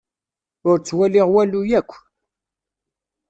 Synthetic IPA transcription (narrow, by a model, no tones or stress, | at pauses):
ʊɾt͡sːwæliʁwælujækʷː